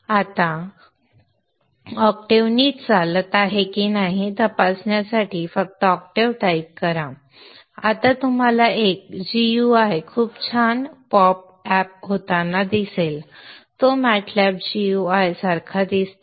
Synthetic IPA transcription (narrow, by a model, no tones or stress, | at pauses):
at̪ã | ɔkʈeʋniːtd͡zalət̪aɦekinaɦit̪əpasɳjasaʈifək̚t̪əɔkʈeʋʈaikkːəɾã | at̪ãt̪um̤alaʔek̚d͡ʑijuajkʰuːbt͡ɕʰanpɔp̚ | ɛp̚ɦot̪anːad̪iselt̪omɛʈʰlɛp̚d͡ʑijuajsəɾkʰad̪is